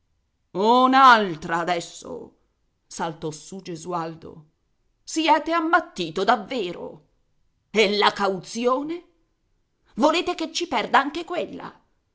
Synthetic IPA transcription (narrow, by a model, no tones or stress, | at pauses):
onaalt̪ɾaːd̪ɛsːo̰ | salt̪ɔsud͡ʒezuald̪o̰ | siɛːt̪eamːat̪ːiːt̪od̪avːeːɾo̰ | elːakawt̪sjoːne | voleːt̪eket͡ʃːipɛrd̪aaŋk̟ekwelːa̰